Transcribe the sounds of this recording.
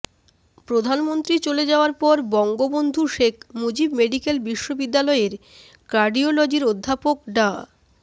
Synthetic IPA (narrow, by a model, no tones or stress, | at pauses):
pɾod̪ʱanmont̪ɾit͡ɕoled͡ʑaoaɾpɔɾbɔŋɡobond̪ʱuʃekʰmod͡ʑibmeɖikelbiʃːobid̪ːalɔeɾ | kaɾɖiolod͡ʑiɾod̪ʱːapokɖa